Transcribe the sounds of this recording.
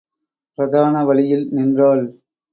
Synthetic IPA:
pɾɐðaːnɐʋɐɭɪjɪlnɪndraːl

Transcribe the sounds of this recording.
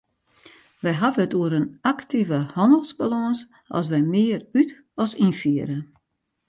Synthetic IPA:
ʋɛjɦavənətuəɾənaktʰivəhɔndəlˠsbalɔŋs | ʔɔ̰s̬ʋɛjmɪəryt | ɔsinfiəɾə

